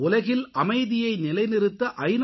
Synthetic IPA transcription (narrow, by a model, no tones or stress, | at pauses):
ʊlɐɣɪlʔɐmɐɪðɪjɐɪnɪlɐɪnɪɾɯt̪ːɐʔɐɪn